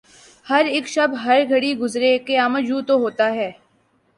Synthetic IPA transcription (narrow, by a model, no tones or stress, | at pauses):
hɐɾɪːkʃɐbɦɐɾɡʱɐɽiɡʊzɾekeaːməd͡ʒuːt̪oɦoːt̪aɦɛː